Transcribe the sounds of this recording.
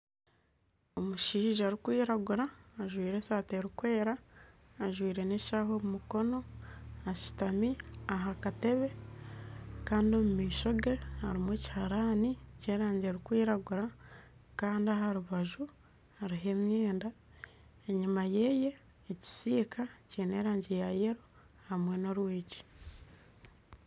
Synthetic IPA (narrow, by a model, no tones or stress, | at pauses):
o̞muʃiːʒaːɾikwiːɾaɡuɾaːʒwiːɾe̞saːteɾikwe̞ːɾaː | ʒwiːɾe̞ne̞ʃaɦo̞mumuko̞no̞aʃi̥tamiaɦakate̞βe̞ | kaːndio̞mumiːʃo̞ɡehaɾimweːci̥haɾaːniceːɾaːɲɟeːɾikwiːɾaɡuɾa | kaːndiaɦaɾuβaʒu | haɾiɦe̞mjeːnda | eɲimaje̞je̞ː | ci̥siːkʰaciːne̞ːɾaːɲɟejajeɾu | hamwe̞no̞ɾwiːci̥